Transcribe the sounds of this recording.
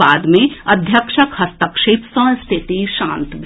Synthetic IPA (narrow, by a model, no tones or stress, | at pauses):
aːd̪mẽɐd̪ʱjəkʃəkhɐst̪ɐkʃeːpsə̃st̪ʰɪt̪iʃãːnt̪ɡ